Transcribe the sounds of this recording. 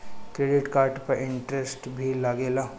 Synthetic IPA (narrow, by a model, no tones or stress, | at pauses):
kɾeːɖɪʈkaːɾʈpɐɾʔɪ̃ɳʈɾesʈbʱilaɡeːlaː